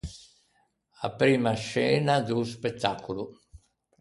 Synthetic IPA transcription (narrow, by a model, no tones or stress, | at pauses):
apɾiːmaʃɛːnad̪uspet̪ːaːkulu